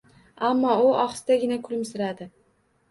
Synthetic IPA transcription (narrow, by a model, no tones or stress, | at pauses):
amːɒʊɒχsd̪aɡʲɪnakʰʊlɪmsɪɾad̪ɪ